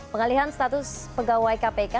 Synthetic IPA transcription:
pəŋaliɦanst̪at̪ʊspəɡawajkapeka

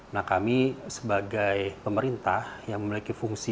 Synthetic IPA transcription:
nahkamisəbaɡajpəməɾint̪ahjaŋməmilikifuŋsi

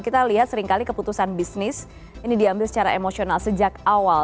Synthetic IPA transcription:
kit̪aliɦat̪səɾiŋkalikəput̪usanbisnɪs | inidiɦambɪlsə̥t͡ʃaɾaemosionalsəd͡ʒakawal

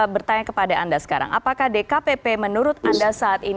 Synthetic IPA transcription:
bərt̪aɲakəpadaandasə̥kaɾa̰ŋʔa̰pakahdekapepemənuɾʊt̪̚andasaːt̪in

